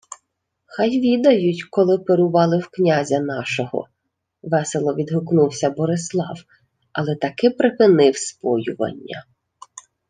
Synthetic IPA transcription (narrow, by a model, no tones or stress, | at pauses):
xɑjʋʲid̪ɐjʊtʲkɔlˠɪpeɾʊʋɑlˠɪwknʲazʲɐnɑʃɔɦɔ̰ | ʋɛselˠɔʋʲid̪ɦʊknuwsʲɐbɔɾɪslˠɑ̰w | ɐlˠɛt̪ɐkɪpɾɪpɪnɪwspɔjʊʋɐ̰nʲːɐ̰